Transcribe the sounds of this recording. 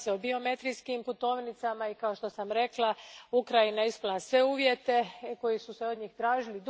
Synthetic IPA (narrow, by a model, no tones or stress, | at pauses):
seobio̞me̞t̪ɾijskimput̪o̞ːʋnit̪samaikao̞ʃt̪o̞samɾe̞klaukɾajinaeispulasʋe̞uːʋje̞t̪e̞ko̞jisuseo̞d̪ɲiːxt̪ɾaːʒilid̪